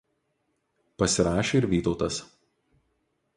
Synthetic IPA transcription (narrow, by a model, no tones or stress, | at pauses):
pɐsʲɪɾɑːʃʲeɪɾʋʲiːt̪ɒʊt̪ɐs